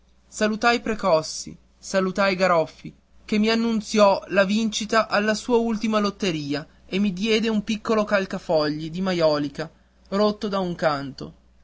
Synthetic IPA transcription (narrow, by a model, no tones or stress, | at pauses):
salut̪ajpɾekɔsːḭ | salut̪ajɡaɾɔfːḭ | kemːianːunt̪sjɔlavint͡ʃit̪aʔalːasuːault̪imalot̪ːeɾiːa | emːid̪jɛːd̪eumpikːolokalkafɔʎːid̪imajɔːlika | ɾot̪ːod̪auŋkant̪o̰